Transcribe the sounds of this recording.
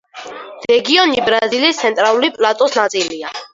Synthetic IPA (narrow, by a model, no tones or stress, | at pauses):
ɾɛɡiɔnibɾazilist̪sʰɛnt̪ʼɾalˠulipʼlat̪ʼɔsnat̪sʼilia